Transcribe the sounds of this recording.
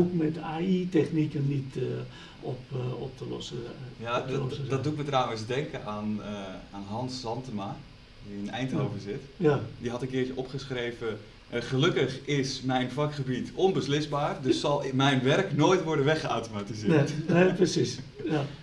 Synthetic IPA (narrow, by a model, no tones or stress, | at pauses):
okmɛtaitɛxnikənːit | ɔpɔp̚təlɔ̰səjadɔtduɪtmətrawəsdɛŋkəʔanaːnɦɑnsɑntəma | dinɛjnthoːvəzɪtjdiɦɑtəkɪːtəʔɔpχəsχreːvə | χəlɵkəχɪsmɛjnfɑkχəbitɔnbəslɪsbaːrdøsːɑlˠmɛjnʋɛrknoːjtʋɔɹdənʋɛχəa̰wtomatizɪteprəsisja